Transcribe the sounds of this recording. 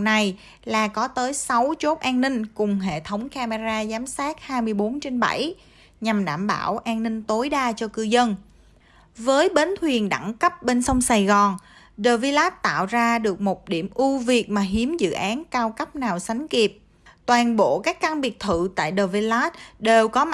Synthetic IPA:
na˨˩j | laː˨˩kɔ˨˦t̪əː˨˦jsa˨˦wt͡ɕo˦˥t̚ʔaː˧nnï˧ŋ̟kʊ˨˩ŋ͡mɦḛ˧˨t̪ʰə˨˦wŋ͡mkaː˧me˧zaː˧zaː˨˦msaː˦˥t̚haː˧jmɨ˧əjɓo˨˦nt͡ɕe˧nɓa̰˧˩j | ɲa˨˩mɗa̰ː˧˩mɓaː˧˩wʔaː˧nnï˧ŋ̟t̪o˨˦jɗaː˧t͡ɕɔ˧kɨ˧zə˧n | vəː˨˦jɓe˨˦nt̪ʰwi˨˩ənɗa̰˧˩ŋkə˦˥p̚ɓe˧nsɔ˧wŋ͡msaː˨˩jɣɔ˨˩n | ɗəː˨˩vi˧laː˦˥t̚t̪a̰ː˧˨wzaː˧ɗɨ˨˩ək̚mo˨˩t̚ɗḭ˧˩əmʔu˧vi˨˩ək̚maː˨˩ɦi˨˦əmzɨ̰˧˨ʔaː˨˦nkaː˧wkə˦˥p̚naː˨˩wsa˨˦jŋ̟ki˨˩əp̚ | t̪waː˨˩nɓo̰˧˨kaː˦˥kːa˧ŋɓi˨˩ək̚t̪ʰɨ̰˧˨t̪a̰ː˧˨jɗəː˨˩vi˧laː˦˥t̚ɗe˨˩wkɔ˨˦

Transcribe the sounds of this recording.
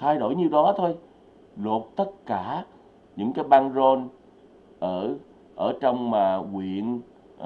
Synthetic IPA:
t̪ʰaː˧jɗo̰˧˩jɲi˨˩wɗɔ˨˦t̪ʰo˧j | lo˨˩t̚t̪ə˦˥t̚kaː˧˩ | ɲɨ̰˧˥ŋkaː˨˦jɓaː˧nzo˧n | ʔəː˧˩ | ʔəː˧˩t͡ɕɔ˧wŋ͡mmaː˨˩ŋwḭ˧˨ən

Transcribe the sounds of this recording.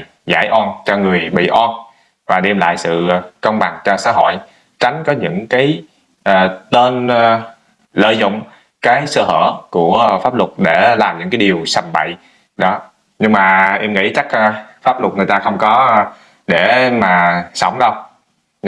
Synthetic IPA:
za̰ː˧˩jʔɔ˧nt͡ɕɔ˧ŋɨ˨˩əjɓḭ˧˨ʔɔ˧n | vaː˨˩ɗɛ˧mla̰ː˧˨jsɨ̰˧˨kə˧wŋ͡mɓa˨˩ŋt͡ɕɔ˧sa̰ː˧˥ɦo̰˧˨j | t͡ɕa˨˦jŋ̟kɔ˨˦ɲɨ̰˧˥ŋkaː˨˦j | ʔːt̪e˧n | lə̰ː˧˨jzʊ̰˧˨wŋ͡m | kaː˨˦jsəː˧hə̰ː˧˩ku˧˩əfaː˦˥p̚lʊ˨˩k͡p̚ɗe˧˩laː˨˩mɲɨ̰˧˥ŋkaː˨˦jɗi˨˩əwsa˨˩mɓə̰˧˨j | ɗɔ˨˦ | ɲɨ˧ŋmaː˨˩ʔɛ˧mŋḭ˧˥t͡ɕa˦˥k̚ːfaː˦˥p̚lʊ˨˩t̚ŋ˨˩jt̪aː˧xə˧wŋ͡mkɔ˨˦ | ɗe˧˩maː˨˩sə̰˧˩wŋ͡mɗə˧w

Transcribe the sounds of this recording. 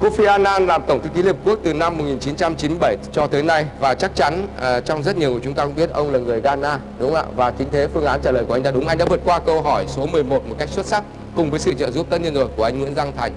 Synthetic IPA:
ko˧fi˧ʔaː˧naː˧nlaː˨˩mt̪ə˧˩ŋ͡mt̪ɨ˨˦ki˨˦li˧˨˩əp̚ku˦˥ək̚t̪ɨ˨˩na˧mː˨˩t̚ŋi˨˩nt͡ɕi˨˦nt͡ɕa˧mt͡ɕi˨˦m˧jɓə˧˩jt͡ɕɔ˧t̪əː˨˦jna˧jvaː˨˩t͡ɕa˦˥k̚t͡ɕa˨˦n˨˩t͡ɕɔ˧wŋ͡mzə˦˥t̚ɲi˨˩əku˨˩ə˩t͡ɕʊ˨˦ŋ͡mt̪aː˧kʊ˧˥ŋ͡mɓi˦˥ət̚ʔə˧wŋ͡mlaː˨˩ŋɨ˨˩əjɣaː˧naː˧ | ɗʊ˨˦ŋ͡mʔa̰ː˧˨vaː˨˩t͡ɕï̟˨˦t̪ʰe˨˦fɨ˧əŋʔaː˨˦nt͡ɕaː˧˩ləː˨˩jku˧˩˨j̟t̪aː˧ɗʊ˨˦ŋ͡mʔa˧ŋ̟ɗa̰˧˥vɨ˨˩ət̚kwaː˧kə˧wɦɔ˧˩jso˨˦mɨ˨˩əjmo˨˩t̚mo˨˩t̚ka˦˥jk̚swə˦˥t̚sa˦˥ | kʊ˨˩ŋ͡mvəː˨˦jsɨ̰˧˨t͡ɕə̰ː˧˨zu˦˥p̚t̪ə˦˥ɲə˧nzo˨˩jku˧˩əʔa˧jŋ̟ŋwḭ˧˥nza˧ŋt̪ʰa˨˩jŋ̟

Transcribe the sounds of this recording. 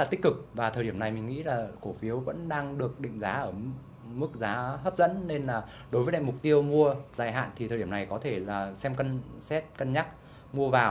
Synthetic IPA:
laː˨˩t̪i˦˥k̚kɨ˨˩k̚vaː˨˩əː˨˩ɗi˧˩əmna˨˩jmï˨˩ŋ̟ŋḭ˧˥laː˨˩ko˧˩fi˨˦əwvə̰˧˥nɗaː˧ŋɗɨ˨˩ək̚ɗḭ̈˧˨ŋ̟zaː˨˦ʔəː˧˩ | mɨ˦˥k̚zaː˨˦ɦəː˦˥p̚zə̰˧˥nːe˧nlaː˨˩ | ɗo˨˦jvəː˨˦a̰ː˧˨m˨˩k͡p̚t̪i˧əwmu˧əzaː˨˩jɦa̰ː˧˨nt̪ʰi˨˩əː˨˩i˧˩ə˩na˨˩jkɔ˨˦t̪ʰe˧˩laː˨˩sɛ˧mkə˧nsɛ˦˥t̚kə˧nɲa˦˥k̚ | mu˧əvaː˨˩w

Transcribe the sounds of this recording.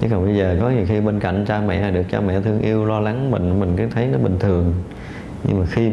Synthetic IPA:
t͡ɕɨ̰˦˥kːɔ˨˩ɓə˧jzəː˨˩kɔ˨˦ɲi˨˩əwxi˧ɓeː˧nka̰˧˨jŋ̟t͡ɕaː˧mɛ̰˧˨aː˨˩ɗɨ˨˩ək̚t͡ɕa̰ː˧mɛ̰˧˨t̪ʰɨ˧əŋʔi˧əwlɔ˧la˨˦ŋmḭ̈˧˨ŋ̟˨˦mï˨˩ŋ̟kɨ˨˦t̪ʰə˨˦jnɔ˨˦ɓï˨˩ŋ̟t̪ʰɨ˨˩əŋ | ɲɨ̰˧ŋmaː˨˩xi˧

